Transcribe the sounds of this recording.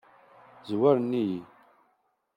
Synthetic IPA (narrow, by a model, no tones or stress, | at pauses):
zwæɾnːiji